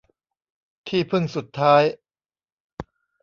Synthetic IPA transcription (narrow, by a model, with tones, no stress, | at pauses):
t̪ʰiː˥˩pʰɯ˥˩ŋsu˨˩t̪ʰːaː˦˥j